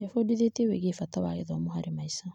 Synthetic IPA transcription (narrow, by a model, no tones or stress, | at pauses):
jafodiðeteweːɣeːfatawaɣeðɔmoɦaɾemaisa